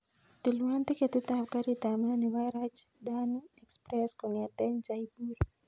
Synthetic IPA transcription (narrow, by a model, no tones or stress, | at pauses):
t̪iluant̪ikɛt̪it̪ap̚kaɾit̪amaniwajɾat͡ʃ | danɛkspɾɛskɔŋɛt̪ɛnd͡ʒaibur